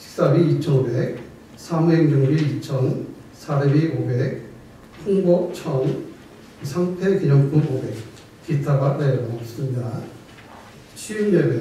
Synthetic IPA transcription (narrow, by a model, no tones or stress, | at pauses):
t͡ɕʰi̥k̚s͈abiit͡ɕʰʌnobek̚ | sʰameŋd͡ʑuŋbiit͡ɕʰʌn | sʰaɾebiobek̚ | pʰuŋbʌt͡ɕʰʌŋ | sʰaŋpʰekiɲʌnkumobek̚ | kitʰaɡanejʌmʌs͈ɯmɲida | ɕʰiinjebe